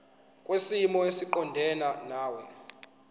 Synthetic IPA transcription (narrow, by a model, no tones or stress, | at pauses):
kʼwesimɔesiǃɔndʱɛnanaːwɛ